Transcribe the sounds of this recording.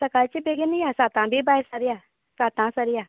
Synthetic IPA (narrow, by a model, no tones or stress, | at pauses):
səkalt͡ʃibeɡɪnijaːsaːt̪ãːbʱiːbaːjsəɾjaː | saːt̪ãːsəɾɪjaː